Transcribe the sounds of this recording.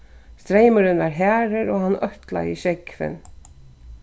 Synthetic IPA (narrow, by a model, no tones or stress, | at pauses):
st̪ɾeɪmʊɾɪnʋaɾɦæːɾɪɾɔːhanːœht̪la̰iʃɛkfɪ̰n